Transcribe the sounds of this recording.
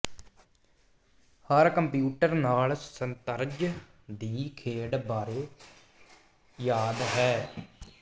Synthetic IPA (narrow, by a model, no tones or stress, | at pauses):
həɾkəmpjuːʈəɾnaːlsənt̪əɾd͡ʒ | d̪iːkʰeːɽbaːɾeː | jaːd̪ɦɛː